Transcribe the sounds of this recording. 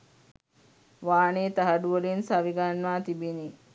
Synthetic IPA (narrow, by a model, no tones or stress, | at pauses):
ʋaːneːt̪aɦɐɖuʋəlinsaʋiɡanʋaːt̪ibini